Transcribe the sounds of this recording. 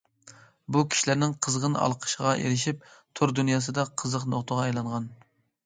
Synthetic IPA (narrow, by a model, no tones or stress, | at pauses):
bukʲʰi̥ʃilæɾnɪŋqʰəzʁənɑ̰lˠqʰə̥ʃəʁɑʔḛɾɪʃip̚t̪ʰʊɾd̪unjɑːs̬ɨd̪ɑqʰəzəqnoχt̪əʁɑɛjlˠɑɴʁɑn